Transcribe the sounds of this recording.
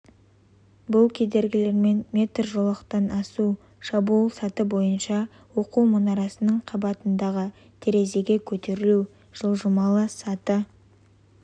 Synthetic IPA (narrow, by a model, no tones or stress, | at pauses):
bʊlˠkʲʰe̞d̪e̞ɾɡʲɪle̞ɾme̞nmʲe̞t̪rʒo̞lˠəqt̪ɑnɑsu | ʃɑbuulˠsɑt̪əbo̞jənʃɑ | wo̞quwmʊnɑɾɑsənəɴqʰɑbɑt̪ənd̪ɑʁə | t̪ʰeɾe̞ze̞ɡʲe̞kʲʰɵt̪e̞ɾɪlu | ʒ̥əlˠʒəmɑlˠəsɑt̪ə